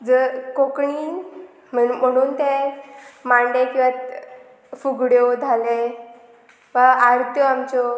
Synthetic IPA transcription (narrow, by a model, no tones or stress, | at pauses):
d͡zəkokɳiː | m̤əm̤əɽ̃uːnt̪e | maɳɖekĩʋat̪ | fuɡɽjod͡zʱale | ʋaaɾt̪ʰjɔamt͡ɕɔ